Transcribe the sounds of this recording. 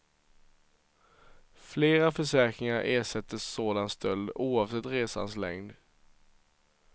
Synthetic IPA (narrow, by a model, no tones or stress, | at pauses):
fleːɾafœʂæːkɾɪŋaɾʔeːʂɛt̪ʰːəsːoːd̪anst̪ʰœld̪uːɑːvsɛt̪ːɾeːsa̰nslɛ̰ŋd̪